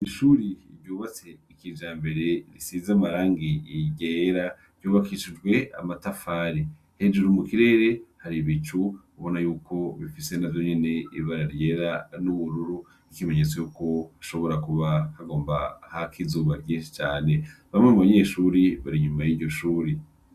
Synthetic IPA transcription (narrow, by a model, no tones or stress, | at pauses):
iʃuɾiɾɟuːβat͡se̞ikid͡ʒaːmbe̞ɾe̞nisizamaɾaːŋɡiiɟeɾḁ | ɟuːβakiʃid͡ʒɡwe̞a̰matafaɾi | he̞d͡ʒuɾumukiɾe̞ːɾe̞haɾiβit͡ʃuuβo̞najuːkʰo̞βifise̞navjo̞ɲene̞ḭβaɾaɾje̞ɾanuβuɾuɾu | ikime̞ɲe̞t͡so̞juko̞aʃo̞βo̞ɾakuβahaɡo̞ːmbahakʰizuːβaɟĩːnʃi̥t͡ʃaːne̞βamŋemuβaɲe̞ːʃuɾiβaɾiɲumajiːɾɟo̞ʃuːɾe